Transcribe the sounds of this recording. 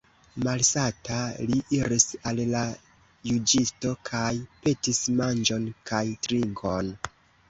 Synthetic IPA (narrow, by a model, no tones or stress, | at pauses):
malsataliʔiɾisalla | jud͡ʒisto̞kʰajpe̞tismand͡ʒo̞nkʰajtɾiŋkʰo̞n